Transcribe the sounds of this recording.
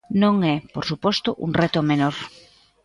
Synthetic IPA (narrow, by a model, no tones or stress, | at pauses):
nõŋɛpoɾsupɔst̪ʊʔṵŋrɛt̪ʊmenoɾ